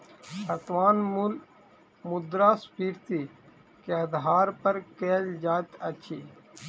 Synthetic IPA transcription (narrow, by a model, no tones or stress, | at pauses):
ɐt̪waːnmul | mud̪ɾaːspiːɾt̪iː | keɐd̪ɦaːɾpɐɾkeːld͡ʒaːt̪ɐt͡ʃʰiː